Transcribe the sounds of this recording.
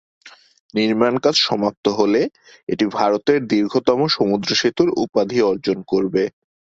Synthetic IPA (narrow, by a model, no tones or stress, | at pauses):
niɾmankad͡ʑʃɔmap̚t̪oɦole | eʈibʱaɾot̪eɾd̪iɾɡʱot̪ɔmoʃomud̪ɾoʃet̪uɾṵpad̪ʱiɔɾd͡ʑonkoɾbe